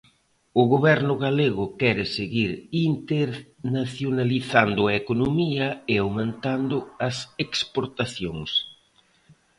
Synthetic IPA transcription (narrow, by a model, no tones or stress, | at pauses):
ʊɣoβɛɾnʊɣaleɣʊkɛɾɪseɣiɾint̪eɾnaθjonaliθand̪ʊɐekonomiɐeawmẽnt̪and̪ʊɐsekspoɾt̪aθjoŋs